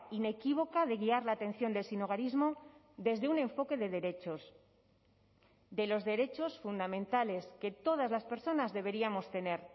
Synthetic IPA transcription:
ine̞kiβ̞o̞kaðe̞ɣ̞iaɾlaːt̪e̞n̟θjo̞nd̪e̞lsino̞ɣaɾizmo̞ | ðe̞zðe̞unẽ̞ɱfo̞ke̞ðe̞ðe̞ɾe̞t͡ʃo̞s | d̪e̞lo̞zðe̞ɾe̞t͡ʃo̞sfund̪amẽ̞nt̪ale̞ske̞t̪o̞ð̞azlaspe̞ɾso̞nazðe̞β̞e̞ɾiamo̞st̪e̞ne̞ɾ

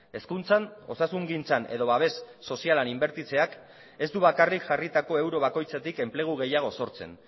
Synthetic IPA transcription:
e̞skunt͡sano̞sasuŋɡint͡sanʔe̞ðo̞βaβ̞e̞sːo̞sialanimbe̞ɾt̪it͡se̞ak | e̞zd̪uβakarikʝarit̪ako̞e̞wɾo̞β̞ako̞jt͡sat̪ike̞mple̞ɣ̞uɣ̞e̞jaɣ̞o̞so̞ɾt͡se̞̰n

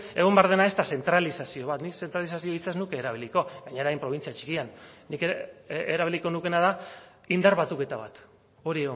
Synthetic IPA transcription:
e̞ɣo̞mbeaɾðe̞nae̞st̪ase̞nt̪ɾalisasio̞β̞at̪nise̞nt̪ɾalisasioit͡saznukeːɾaβiliko̞ɣaɲaɾajmpɾo̞β̞int͡siat͡ʃi̥kianːikeɾaβiliko̞nuke̞nað̞a | ind̪aɾβat̪uke̞t̪aβa̰t̪ | o̞ɾieɣo

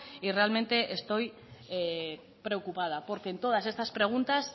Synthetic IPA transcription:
irealmẽ̞nt̪e̞ʔest̪o̞j | pɾe̞okupað̞apo̞ɾke̞ːnt̪o̞ðase̞st̪aspɾe̞ɣ̞unt̪as

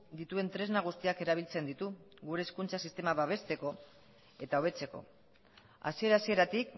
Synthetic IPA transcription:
d̪it̪ue̞nt̪ɾe̞znaɣ̞ust̪iake̞ɾaβ̞ilt͡se̞nd̪it̪u | ɣuɾe̞ːskunt͡sasist̪e̞maβaβ̞e̞st̪e̞ko̞ | e̞t̪ao̞β̞e̞t͡se̞ko̞̰ | a̰sie̞ɾasie̞ɾat̪ik

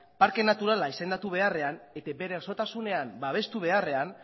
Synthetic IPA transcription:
paɾke̞nat̪uɾalaise̞nd̪at̪uβ̞e̞are̞anet̪ebe̞ɾso̞t̪asune̞ambaβ̞e̞st̪uβ̞e̞are̞an

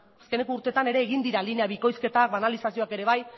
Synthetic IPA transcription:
aske̞ne̞kouɾt̪e̞t̪ane̞ɾe̞ːɣind̪iɾaline̞aβiko̞jske̞t̪akbanalisasio̞ake̞ɾe̞βaj

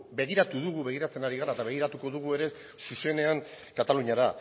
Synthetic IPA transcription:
be̞ɣ̞iɾat̪uðuɣ̞uβe̞ɣ̞iɾat͡se̞naɾiɣaɾaet̪aβe̞ɣ̞iɾat̪uko̞ðuɣ̞ue̞ɾe̞ | suse̞ne̞aŋ | kat̪aluɲaɾa

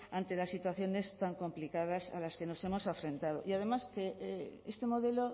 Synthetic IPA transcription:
ant̪e̞lasːit̪waθjo̞ne̞st̪aŋko̞mplikað̞asa̰laske̞no̞se̞mo̞safɾẽ̞nt̪að̞o̰ʔiaðe̞maskeest̪e̞mo̞ðe̞lo

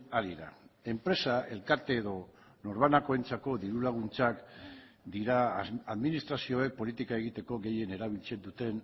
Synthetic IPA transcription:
aɾiɾa̰e̞mpɾe̞sae̞lkaɾt̪e̞ːðo̞ | no̞ɾβanako̞ent͡sako̞ðiɾulaɣ̞unt͡sak | d̪iɾaaðminist̪ɾasio̞e̞k̚po̞lit̪ikae̞ɣit̪e̞ko̞ɣe̞je̞ne̞ɾaβ̞ilt͡sed̪ut̪e̞n

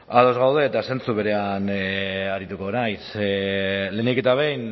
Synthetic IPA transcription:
að̞o̞zɣawðe̞ːt̪ase̞nt͡suβe̞ɾe̞anaɾit̪uko̞ːnajsele̞nike̞t̪aβe̞jn

